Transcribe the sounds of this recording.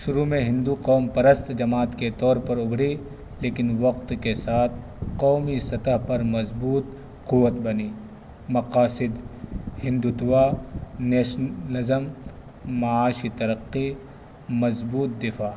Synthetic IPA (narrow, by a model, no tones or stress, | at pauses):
ʃʊɾumẽɦɪ̃nd̪uqɔːmpɐɾəst̪d͡ʒɐmaːt̪ket̪ɔːɾpɐɾʊbʱɽi | leːkɪnʋɐqt̪kesaːt̪ʰ | qɔːmisɐt̪əɦpɐɾmɐzbuːt̪ | qʊwːət̪̚bɐniː | mɐqaːsɪd̪hɪ̃nd̪ut̪ʊwaːnɛːʃlɐzəm | mɐaːʃit̪ɐɾəqːi | mɐzbuːt̪̚d̪ɪfʰaː